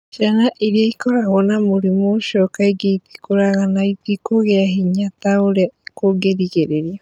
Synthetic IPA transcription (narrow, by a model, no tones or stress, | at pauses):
ʃanaʔiɾiaikɔɾaɣɔnamoɾimoʃɔkaiɡeiti̥koɾaɣanaitikoɣeaɦiɲataoɾekoɡeɾiɣeɾeɾja